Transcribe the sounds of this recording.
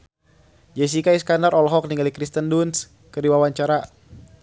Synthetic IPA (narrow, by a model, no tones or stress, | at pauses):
d͡ʒɛs̬ikaiskandaɾɔlɦɔk̚niŋɡalikɾist̪ənduns | kədiwawaɲt͡ʃaɾa